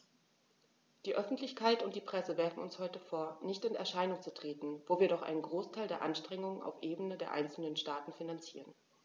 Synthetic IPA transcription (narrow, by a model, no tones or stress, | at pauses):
d̥iːʔœfn̩tʰlɪçkʰaɪtʊntd̥iːpʁ̥ɛsəvɛɐfn̩ʊnshɔʏtəfoːɐnɪçtɪnɛ̰ɐʃaɪnʊŋt͡sutʁ̥eːtn̩voːviːɐɾɔχʔa̰ɪnənɡʁoːstʰaɪldeːɐʔa̰nʃtʁ̥ɛŋʊŋəna̰ʊfʔeːbənədeːɐʔa̰ɪnt͡sl̩nənʃtaːtn̩finant͡sḭːʁən